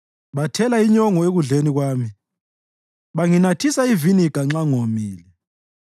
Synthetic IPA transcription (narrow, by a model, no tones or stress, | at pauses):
βatʰɛlaiɲɔŋɔeɣuɮeniɣwaːmi | βaŋinatʰisaivinikʼaŋ͡ǁaŋomiːlɛ